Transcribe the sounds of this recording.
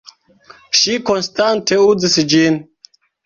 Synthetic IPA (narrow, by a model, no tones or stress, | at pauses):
ʃikonstantʰeud͡zisd͡ʒin